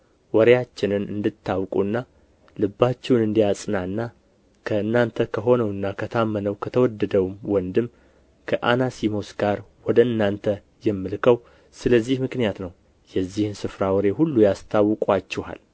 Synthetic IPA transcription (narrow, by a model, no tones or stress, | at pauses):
wɔɾejat͡ʃːɪnɨnɨ̰nd̪ɨt̪ʰːawkʼunːa | lɨbːat͡ʃːɛwnɨnd̪ijasʼɨnanːa | kʰəɨnːant̪ʰəkʰəɦo̞nəwɨnːakʰət̪ʰamːənəwkʰət̪ʰəwɔd̪ːəd̪əwwɔnd̪ɨm | kʰəʔanasimo̞sɡ̥aɾwɔd̪əɨnːant̪ʰə | jɛmːɨlkʰəw | sɨləzːihmɨknijat̪nəw | jɛzːihɨnsɨfɾawɔɾehulːujast̪ʰawːɨkʼat͡ʃːɛha̰l